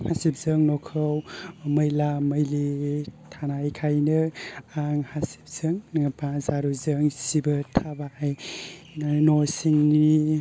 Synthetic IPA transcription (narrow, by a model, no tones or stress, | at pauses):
hasip̚zəŋnɔkʰɯwməjlaməjlitʰanajkʰajnɯaŋhasi̥p̚z̥ɯŋpãzaɾuzəŋsibɐtʰabaj | nosiŋni